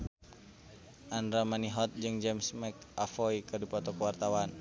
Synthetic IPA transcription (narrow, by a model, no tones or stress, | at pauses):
ʔandɾamaniɦɔt̪̚d͡ʒɨŋd͡ʒɛmsmɛkafɔikɨrdipɔt̪ɔkəwart̪awan